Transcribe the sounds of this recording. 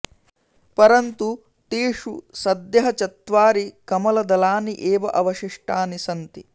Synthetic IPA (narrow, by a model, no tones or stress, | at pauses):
pɐɾɐnt̪u | t̪iːʂusɐd̪jɐɦɐt͡ʃɐt̪ʋaːɾikɐmɐlɐd̪ɐlaːniʔeːʋɐʔɐʋɐʃiʂʈaːnisɐnt̪i